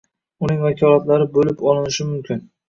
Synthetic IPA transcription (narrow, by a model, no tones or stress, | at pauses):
ʊnɪŋvakʲʰɒlˠat̪laɾɪbolɪpɒlˠɪnɪʃɪmʊmkʲʰɪn